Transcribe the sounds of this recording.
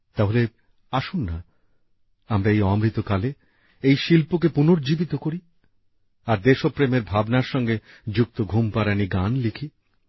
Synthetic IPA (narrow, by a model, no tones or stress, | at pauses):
t̪aɦole | aʃunːa | amɾaejɔmɾit̪okale | ejʃilpokepunoɾd͡ʑibit̪okoɾi | aɾd̪eʃopɾemeɾbʱabnaɾʃɔŋɡe | d͡ʑuk̚t̪oɡʱumpaɾaniɡanlikʰi